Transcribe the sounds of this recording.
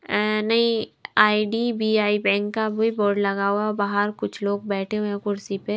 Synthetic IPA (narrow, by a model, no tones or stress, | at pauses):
nɐɦĩaːiɖibiːaːibɛ̃ːŋkːaboːiboːɾɖlɐɡaːuabaːɦəɾkʊt͡ʃʰloːɡ̚bɛːʈʰeũẽkʊɾsipe